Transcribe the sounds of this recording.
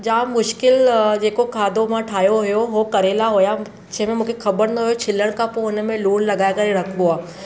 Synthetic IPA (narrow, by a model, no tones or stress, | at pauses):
d͡ʒaːmʊʃkɪld͡ʒeːkokʰaːd̪omãʈʰaːjoɦʊjoɦokɐɾeːlaɦoːja | t͡ʃʰemẽmʊ̃kʰexʰɐbəɾnɐɦojot͡ʃʰɪlːəɽ̃kapoːnmẽluːnlɐɡaːkɐɾeɾɐkʰɡʊaː